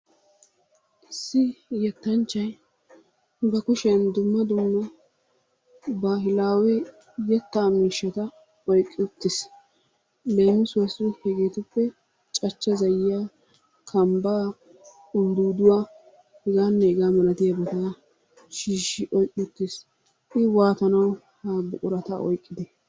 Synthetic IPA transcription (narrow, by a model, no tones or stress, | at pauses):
ʔɪsːɪjɛt̪ːɐnt͡ʃːɐj | bɐkʊʃɛnd̪ʊmːɐd̪ʊmːɐ | baːɦɪlaːwɛ | jɛt̪ːaːmiːʃːɐt̪ɐ | ɔjkʼːɪʊt̪ːɪs | leːmːɪsʊwɐsʊnhɛɡeːt̪ʊpːɛ | t͡ʃʼɐt͡ʃːɐzɐjjaː | kʰɐmbaː | ʊnd̪uːd̪ʊwaː | hɪɡaːnːɛɪɡaːmɐlɐt̪ɪjɐbɛt̪a | ʃiːʃːɪʔɔjkʼːɪʊt̪ːɪs | ɪwaːt̪ɐnɐw | haːbʊkʼʊɾɐt̪ɐ̰ʔɔ̰jkʼːɪd̪ɛ